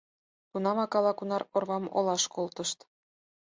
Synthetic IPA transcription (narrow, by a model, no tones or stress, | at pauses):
t̪unɑmɑkɑlˠɑkunɑrorβɑmo̰lˠɑʃkolt̪ɤ̆ʃt̪